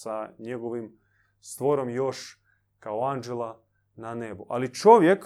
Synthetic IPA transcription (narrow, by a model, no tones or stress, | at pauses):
saɲeɡoʋim | st̪ʋoɾomjo̞ʃ | kaoand͡ʒelˠa | nanebuʔa̰lit͡ʃoʋjek